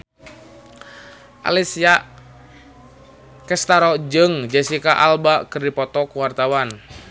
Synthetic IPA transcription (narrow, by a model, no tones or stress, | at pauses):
ʔa̰lisiaʔ | kɛst̪aɾɔd͡ʒɨŋd͡ʒasikaʔa̰lbakɨrdipɔt̪ɔkuwart̪awan